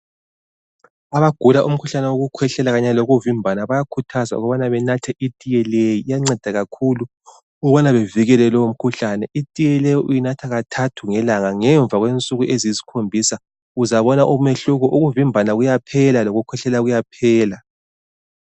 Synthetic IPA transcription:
aβaɡ̥ʱulaʔum̩kʰuɬanɛwoɣukʰwɛɬɛlaɣaɲaloɣuvimbʱanaβajakʰutʰaza̰ṵɣɔβanaβɛnatʰɛʔitʼijɛlejijaŋ͡ǀɛd̥ʱaɣakʰulu | uβanaβeviɣɛlɛlɔwom̩kʰuɬanɛʔitʼijɛlɛjɔʔujinatʰaɣatʰatʰuŋɛlaŋaŋɛɱb̪vʱaɣwent͡sʼuɣuʔeziizi̥kʰombʱisa | uzaβɔnaʔumeɬuɣɔʔuɣuvimbʱanaɣujapʰɛlaloɣukʰwɛɬɛlaɣujapʰɛːla

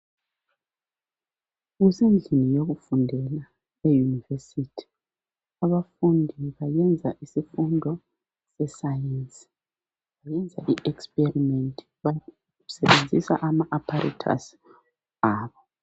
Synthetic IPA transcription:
ɣizind͡ɮʱinijoɣufundʱɛla | ejunivesitʰi̥ | aβafundʱiβajɛnd͡zʱaʔisifundʱɔ | sɛsajensʼi̥ | βajɛnd͡zʱaʔiʔɛkspʼerimentʰʼi̥βa | sɛβend͡zʱisaʔamaʔapʰaɾʔḛtʰa̰s | aːβɔ

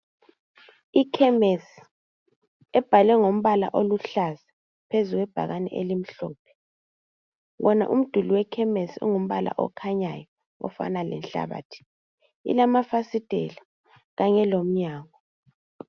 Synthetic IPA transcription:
ikʰɛmesi̥ | ɛb̥ʱalɛŋom̩βala̰ʔoluɬaza | pʰezuɣwɛb̥ʱa̰ɣanɛ̰ʔḛlim̩ɬɔːp̚ʰɛ̥ | ɣɔna̰ʔum̩d̥ʱuliwɛkʰɛmesɔ̰ŋum̩βala̰ʔɔ̰kʰaɲa̰jɔ | ɔ̰fa̰nalɛ̰nɬa̰βa̰ːtʰi̥ | ḭlamafasid̥ʱɛ̰la | ɣaɲɛlom̩ɲaːŋɔ

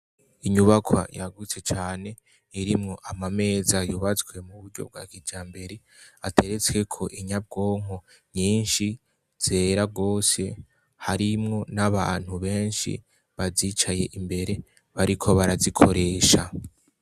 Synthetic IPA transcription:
iɲuβakʰwa̰jaɡut͡se̞t͡ʃaːne̞ | iɾimŋo̞ʔamame̞ːzajuβat͡swe̞muβuɾɟo̞̰b̚ɡwa̰ːkid͡ʒaːmbe̞ɾe | atʰe̞ɾe̞t͡swe̞kʰo̞ʔiɲab̚ɡo̞ːŋ̥o̞ | ɲiːnʃi | z̥e̞ːɾaɡo̞ːse̞ | haɾimŋo̞naβaːn̥huβe̞ːnʃḭ | βaziːt͡ʃaje̞ʔimbe̞ɾe̞ | βaɾikʰo̞βaɾazikʰo̞ɾe̞ːʃa

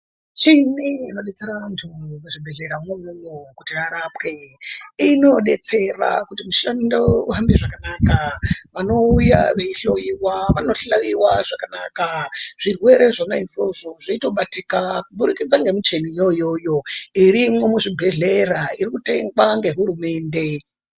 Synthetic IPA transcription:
t͡ʃineino̞ɗe̞t͡se̞ɾaʋantʰumuʐibʱe̞ɮe̞ɾamwemumokutiraɾapke̞ino̞ɗe̞t͡se̞ra̰kutimuʃanndoɦambiʐakanakaʋano̞uja̰ʋeiɬo̞jiwaʋano̞ɬajiwaʐakana̰kaʐ̥irwe̞ɾe̞ʐanainfoʐoʐaito̞ɓatikakuɓuɾikid͡zaŋɡe̞mit͡ʃe̞nijo̞jo̞jo̞iɾimwe̞muʐibʱe̞ɮe̞raiɾikute̞ŋɡwaŋɡe̞ɦuɾume̞ːnde̞

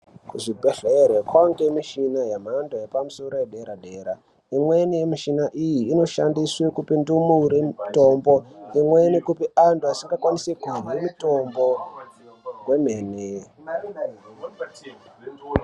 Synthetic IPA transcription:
kuʐibʱeɬeerwekwaŋɡemiʃinajam̤andojepamuso̞ɾo̞jeɗeɾaɗeɾa | imwenijemiʃinaʔijiːno̞ʃandiswekupindumuɾeto̞mbo̞imwenikupianduasiŋɡakwanisekuwimito̞mbo̞ | ɡwe̞m̤eːne

